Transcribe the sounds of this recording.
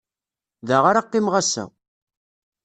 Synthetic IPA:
ðaʁaɾaqːimʁasæ̰w

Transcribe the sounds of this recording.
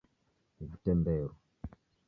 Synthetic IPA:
vitɛmbɛɾɔ

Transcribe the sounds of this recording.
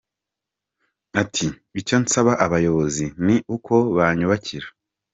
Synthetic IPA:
atʰi | βicansaβaʔaβajo̞βo̞ziniukʰo̞βaɲuβaciɾḁ

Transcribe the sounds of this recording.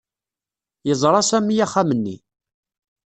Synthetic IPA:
jəzˤɾˤɑsæmijaχːamənːḭ

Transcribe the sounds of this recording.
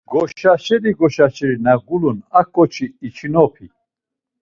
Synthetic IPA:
ɡ̥ɔʃaʃɛɾiɡɔʃaʃɛɾinaɡulunakʰʼːɔt͡ʃʰiːt͡ʃʰinɔpʰi

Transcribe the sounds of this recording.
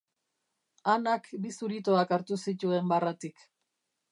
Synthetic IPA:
anakbisuɾit̪oakaɾt̪usit̪ue̞mbarat̪ik

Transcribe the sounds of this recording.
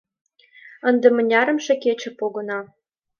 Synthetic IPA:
ə̆nd̪ĕmə̆nʲɑɾə̆mʃĕket͡ɕĕpoɣɤ̆nɑ

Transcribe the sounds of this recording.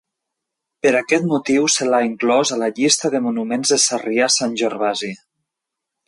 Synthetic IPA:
pəɾakɛt̪mut̪iwsəlaiŋklɔzaləʎist̪əðəmunumenzðəsariasanʲʒeɾβazi

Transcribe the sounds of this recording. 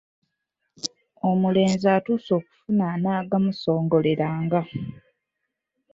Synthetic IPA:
o̞mule̞ːnzaːtuːso̞ːku̥funanaːɡamuso̞ːŋɡo̞le̞ɾaːŋɡa

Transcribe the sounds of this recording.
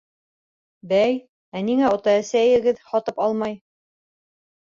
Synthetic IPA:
bæj | æniŋæot̪ɑæsæjɘ̆ɡɘðhɑt̪ɤpɑlˠmɑj

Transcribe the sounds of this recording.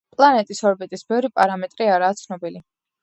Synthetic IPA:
pʼlˠanɛt̪ʼisɔɾbit̪ʼisbɛvɾipʼaɾamɛt̪ʼɾiaɾaːt̪sʰnɔbili

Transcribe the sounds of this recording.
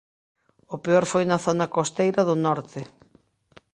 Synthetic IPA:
ʊpeɔɾfojnɐθonɐkost̪ejɾɐðʊnɔɾt̪ɪ

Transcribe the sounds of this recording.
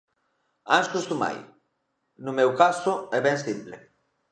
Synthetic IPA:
ãnskust̪uma̰j | numɛwkasʊɛβɛ̃nsimplḛ

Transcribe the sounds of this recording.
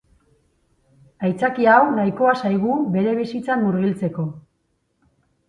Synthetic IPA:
ajt͡sakiawnajko̞asajɣube̞ɾe̞β̞isit͡sanːuɾɣilt͡se̞ko̞

